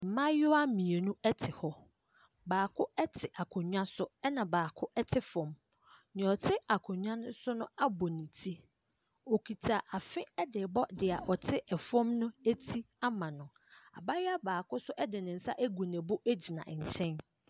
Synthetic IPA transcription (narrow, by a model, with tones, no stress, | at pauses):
m̩˨mã˦jʊ˦a˦mĩ˨e˨nũ˦ɛ˦tʰɪ˨hɔ˦ | baː˨kʰʊ˦ɛ˦tʰɪ˨ʔa˨kʰʊ̃˨ɲᶣã˦sʊ˦ɛ˦nã˨baː˨kʰʊ˦ʔɛ˦tʰɪ˦fɔ̃˨m | nɪ̃˨ɔ˨tʰɪ˦a˨kʰʊ̃˨ɲᶣã˦nʊ̃˦sʊ˦nʊ̃˦a˦bɔ˨nĩ˨tʰi˦ | o˨kʰi˨tʰa˨ʔa˨fɪ̃˦ɛ˦dɪ˨bɔ˦dɪ˨a˨ʔɔ˨tʰɪ˦ʔɛ˨fɔ̃˦mnʊ̃˦æ˦tʰi˦ | a˦mã˨nʊ̃˨ | a̰˨ba˦jɪ˦a˦baː˨kʊ˦sʊ˦ʔɛ˦dɪ˨nɪ̃˨n̩˨˦sa̰˦ʔæ˦ɡu˨nɛ̃˨bʊ˦ʔæ˦d͡ʑi˨nã̰˨ʔɲ̩˨t͡ɕʰɛ̃˦n